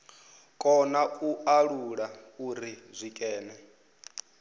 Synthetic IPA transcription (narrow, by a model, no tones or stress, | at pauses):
kʼɔnauʔaɺuɺauɾizʷikʼɛːnɛ